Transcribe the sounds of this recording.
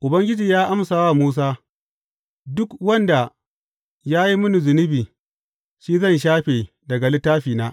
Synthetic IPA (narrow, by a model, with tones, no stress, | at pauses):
ʔʊ˨bɐ˦ŋɡʲɪ˦d͡ʒiː˨jaː˦ʔa˦msaː˨waː˦˨muː˦s̬aː˦ | dʊ˦kwɐ˦nda˨ | jaː˦ji˦mʊ˦nu˨zɪ˨nɪ˦biː˨ | ʃiː˦zɐ˦˨nʃ̬aː˦ɸeː˨ | dɐ˨ɡa˨lɪ˦taː˦ɸiː˨naː˦